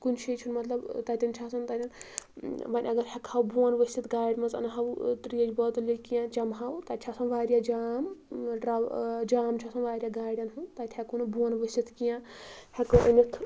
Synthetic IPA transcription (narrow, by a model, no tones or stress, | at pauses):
kunt͡ʃʰit͡ʃʰunmɐt̪lɐbt̪ɐt̪ʲɐnt͡ʃʰaːsʰɐnt̪ɐt̪ʲɐn | ʋɐnʲɐɡɐɾhʲɐkʰɐwbuɐnʋəsʲit̪ɡaːjɖmɐzɐ̰nɦɐwt̪ɾijɐd͡ʒbɔt̪lʲikijãt͡ʃɐmɦɐwt̪ɐt̪̚ʲt͡ʃʰasɐnʋaːɾjad͡ʒaːmɾɐd͡ʒaːmt͡ʃʰasɐ̃nʋaːɾʲjaɡaːjɽʲɐnɦunt̪ɐt̪ʲʰhʲakunubunʋɐsit̪ʰkijãhɐkɐʔɐ̰nit̪ʰ